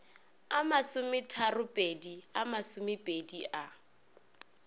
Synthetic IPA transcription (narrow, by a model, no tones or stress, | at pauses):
amasʊmɪtʰarʊpʼediamasʊmɪpʼediʔa